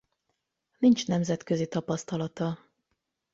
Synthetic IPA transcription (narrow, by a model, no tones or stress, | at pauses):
nint͡ʃnɛmzɛt̪køzit̪ɒpɒst̪ɒlɒt̪ɒ